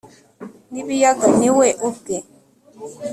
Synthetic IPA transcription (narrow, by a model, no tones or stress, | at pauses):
nibijaɡaniweʔokɛ